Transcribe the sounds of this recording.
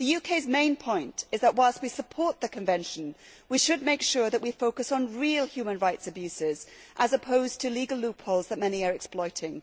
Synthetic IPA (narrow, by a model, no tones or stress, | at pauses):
ðɨjʉkʰeɪzmẽɪ̃npʰɔ̃ɪ̃ntɨzðəʔ̚waɪlˠst̚wisəpʰɔɹt̪̚ðɨkʰɨ̃ɱvɛ̃nʃə̃n | wiʃɨd̚meɪkʃʊɹðɨʔwifoʊkɨsn̩ɹilˠhjʉmə̃nɹaɪtsɨbjʉsɪzʔəzəpʰoʊz̥tʰɨliɡəlˠlʉpʰolˠzðət̚mɛniə˞ɛksplɔɪɾɪ̃ŋ